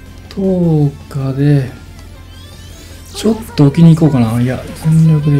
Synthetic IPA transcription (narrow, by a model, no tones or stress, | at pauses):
t̪ʰoːkad̪e̞ | t͡ɕo̞t̪ːoːkʲiɲ̟iːko̞ːkanaiazẽnɾʲok̬ɯ̟d̪e